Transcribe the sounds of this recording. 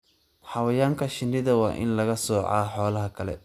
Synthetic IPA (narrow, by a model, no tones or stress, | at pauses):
ħɑwɐjaːŋkʰɐʃɪndɪðɐwɑ̰ːʔɪ̰nlɐɣɐsɔːʕɑ̰ːħɔːlɐɦɐkʰɐlɛ̰